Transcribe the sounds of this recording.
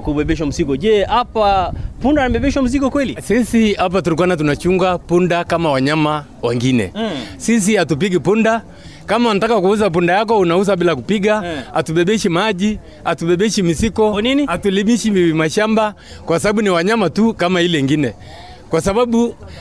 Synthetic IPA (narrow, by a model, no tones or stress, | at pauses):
kuɓɛɓɛʃ̬am̩zikɔd͡ʒɛapapundanabɛɓɛʃam̩z̬ikɔkwɛlisisiap̬at̬ulik̬wanat̬unat͡ʃuŋɡapundakamawaɲama | wɛŋɡinɛ̰sis̬iatup̬iɡipunda | kamanatakak̬uus̬ap̬undajak̬ɔunaus̬aɓilakupiɡaatuɓɛɓɛʃimaʄi | atuɓɛɓɛʃimisikɔniniatulimiʃimiwimaʃamba | kwasaɓaɓuniwaɲamatukamailɛŋɡinɛ | kwasaɓaɓu